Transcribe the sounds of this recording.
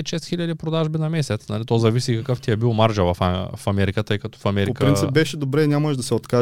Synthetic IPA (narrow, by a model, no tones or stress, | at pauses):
t̪ʃɛst̪xilʲʎɐd̪ipɾod̪aʒbinɐmɛsɛt̪snɐlit̪ɔzɐvisiːkɐkəft̪ʲiɛbilˠmaɾʒəvɐffɐmɛɾikət̪ɤjkɐt̪ɔ̥fɐmɛɾipokəɾinsipbɛʃɛd̪obɾɛinʲaməʒd̪ɐsɛot̪ka